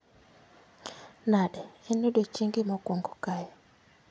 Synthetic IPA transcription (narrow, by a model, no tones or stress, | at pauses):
naɗɛenuɗwet͡ʃiŋɡimɔkoŋɡɔkajɔ